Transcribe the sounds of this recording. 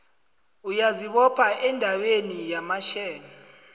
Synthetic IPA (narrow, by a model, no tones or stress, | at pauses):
ujaziɓɔpʰaɛndʱawenijamaʃɛːni